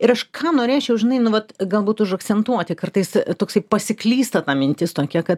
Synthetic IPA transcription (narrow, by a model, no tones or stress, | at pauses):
ɪɾɐʃkʰɑːnoːɾʲeːt͡ʃʲɛʊʒʲɪnɐɪnʊʋɐt̪ɡɐlˠbuːt̪ʊʃɐkt͡s̪ʲɛnt̪uɔt̪ʲɪkɐrt̪ɐɪst̪oːksɐɪpɐsʲɪklʲiːst̪ɐt̪ɑːmʲɪnʲt̪ʲɪst̪oːkʲɛkɐt̪